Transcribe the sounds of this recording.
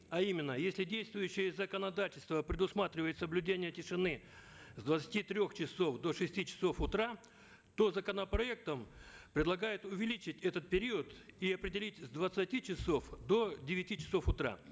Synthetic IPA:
ɐimʲɪnːəjesʲlʲɪdʲejst̪vʊjʏɕːɪjəzəkənɐd̪atʲɪlʲst̪vəpɾʲɪd̪ʊsmat̪ɾʲɪvəjɪt̪səblʲʉdʲenʲɪjətʲɪʂɨnɨ | zd̪vət̪sə̥tʲit̪ɾʲoxt͡ɕɪso̞fd̪o̞ʂɨsʲtʲit͡ɕɪ̥so̞fʊt̪ɾa | t̪o̞zəkənəpɾɐɛk̚t̪əmpɾʲɪd̪lˠɐɡajɪt̪ʊvʲɪlʲit͡ɕɪtʲɛt̪ət̪̚pʲɪɾʲiət̪iɐpɾʲɪdʲɪlʲitʲzd̪vət̪sɨtʲit͡ɕɪso̞fd̪o̞dʲɪvʲɪtʲit͡ɕɪ̥so̞fʊt̪ɾa̰

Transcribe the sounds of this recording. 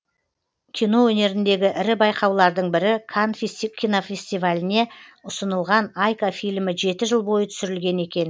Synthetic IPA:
kʲʰijno̞wɵne̞ɾɪnd̪e̞ɡʲɪʔɪɾɪbɑjqɑwlˠɑɾd̪əɴbɪɾɪkʰanfkʲʰijno̞fʲe̞sʲt̪ivalʲɪne̞ʊsənəlˠʁɑnajkafijlʲmɪʒe̞t̪ɪʒəlˠbo̞jət̪ʰʏ̥sɪɾɪlɡʲe̞ne̞kʲe̞n

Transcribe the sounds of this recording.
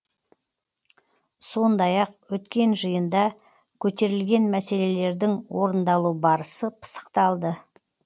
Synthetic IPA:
so̞nd̪ɑjɑq̚wɵt̪kʲe̞nʒəjənd̪ɑ | kʲʰɵt̪e̞ɾɪlɡʲe̞nmæse̞le̞le̞ɾd̪ɪŋwo̞ɾənd̪ɑlˠubɑɾəsəpʰə̥sə̥qt̪ɑlˠd̪ə

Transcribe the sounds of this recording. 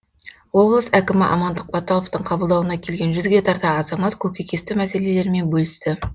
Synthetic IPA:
wo̞blˠəsækʲɪmɪʔɑ̰mɑnd̪əq̚bɑt̪olˠoft̪əɴqʰɑbəlˠd̪ɑwənɑkʲʰe̞lɡʲe̞nʒʏzɡʲe̞t̪ʰɑɾt̪ɑɑzɑmɑt̪kʲʰɵkʲekʲest̪ɪmæse̞le̞le̞ɾme̞nbɵlɪst̪ɪ

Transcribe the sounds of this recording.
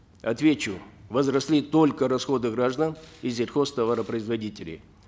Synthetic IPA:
ɐt̪vʲet͡ɕʊvəzɾɐsʲlʲit̪o̞lʲkəɾɐsxo̞d̪ɨɡɾaʐd̪anizʲɪrʲxo̞st̪ɐvaɾəpɾəɪzvɐdʲitʲɪlʲɪ̰

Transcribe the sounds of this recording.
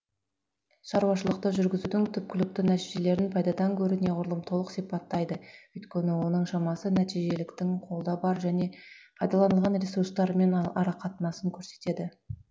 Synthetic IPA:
ʃɑɾuwɑʃəlˠəqt̪əʒʏɾɡʲɪzud̪ɪŋt̪ʰʏp̚kʲɪlɪk̚t̪ɪnæt̪iʒe̞le̞ɾɪnpʰɑjd̪ɑd̪ɑŋkʲʰɵɾɪne̞ʁʊɾlˠəmt̪ʰo̞lˠəqsijpɑt̪ːɑjd̪əʏjt̪kʲe̞nɪwo̞nəɴʃɑmɑsənæt̪ijʒe̞lɪkt̪ɪŋqʰo̞lˠd̪ɑbɑɾʒæne̞pʰɑjd̪ɑlˠɑnəlˠʁɑnre̞suɾst̪ɑɾme̞nɑɾɑqʰɑt̪nɑsəŋkʲʰɵɾse̞̥t̪e̞d̪ɪ

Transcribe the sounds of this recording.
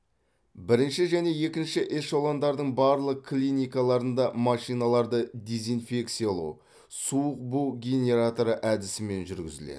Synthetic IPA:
bɪɾɪnʃɪʒæne̞je̞kʲɪnʃɪʔeʃolˠɑnd̪ɑɾd̪əɴbɑɾlˠəq̚kʰːlʲinijkɑlˠɑɾənd̪ɑmɑʃijnɑlˠɑɾd̪əd̪ʲe̞zijnfe̞k̚t̪sijɑlˠṵw | suəq̚buɡʲe̞nʲe̞ɾat̪oɾəʔæd̪ɪsɪme̞nʒʏɾɡʲɪ̰zɪ̰lḛd̪ɪ

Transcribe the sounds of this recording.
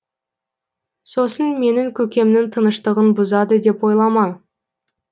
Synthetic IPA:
so̞sənme̞nɪŋkʲʰɵkʲe̞mnɪŋt̪ʰənəʃt̪əʁənbʊzɑd̪əd̪e̞pwo̞jlˠɑmɑn

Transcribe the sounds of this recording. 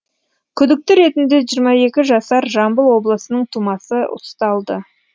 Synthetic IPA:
kʲʰʏd̪ɪk̚t̪ɪɾe̞t̪ɪnd̪e̞ʒijɾmɑe̞kʲɪʒɑsɑɾʒɑmbəlˠwo̞blˠəsənəɴt̪ʰumɑsəʊ̰st̪ɑlˠd̪ə

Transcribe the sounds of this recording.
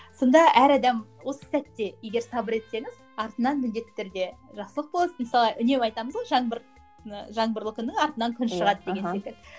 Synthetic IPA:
so̞nd̪ɑʔæɾɑd̪ɑmwo̞sə̥sæt̪ːe̞je̞ɡʲe̞ɾsɑbəɾe̞t̪se̞ŋɪz̥ | ɑɾt̪ənɑnmɪld̪e̞t̪ːe̞ɾd̪e̞ʒɑqsəlˠəq̚bolˠməsɑlˠɑʔʏne̞mɑjt̪ɑməzʁoʒɑɴbɾ | ʒɑɴbəɾlˠəkʰʲʏnːɪŋɑɾt̪ənɑŋkʲʰʏnʃəʁɑd̪əd̪eɡʲesekʲɪl

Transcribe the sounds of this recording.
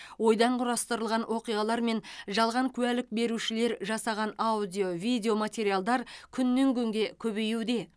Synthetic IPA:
wo̞jd̪ɑɴqʰʊɾɑst̪əɾəlˠʁɑnwʔo̞qijʁɑlˠɑɾme̞nʒɑlˠʁɑŋkʲʰʉælɪk̚be̞ɾuʃɪle̞ɾʒɑsɑʁɑnaud̪ʲijo̞vijd̪eo̞mat̪ʲe̞ɾijalˠd̪ɑɾkʲʰʏnːeŋkʲʰɵŋɡʲe̞kʲʰɵβe̞jud̪e̞

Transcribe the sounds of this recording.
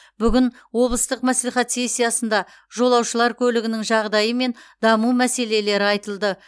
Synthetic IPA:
bʏɡʲɪn | wo̞blˠəst̪əqmæslijχɑt̪se̞sʲːijɑsənd̪ɑ | ʒo̞lˠɑwʃəlˠɑɾkʲʰɵlɪɡʲɪnɪŋʒɑʁd̪ɑjəme̞nd̪ɑmumæse̞le̞le̞ɾɪɑjt̪əlˠd̪ə

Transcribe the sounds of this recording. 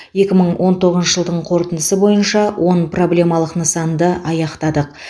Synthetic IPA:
je̞kʲɪməɴwʔo̞nt̪ʰo̞ʁəzəʒəlˠd̪əɴqʰo̞ɾt̪ənd̪əsəbo̞jənʃɑwʔo̞npro̞blʲe̞mɑlˠəqnəsɑnd̪əʔɑjɑqt̪ɑd̪əq̚

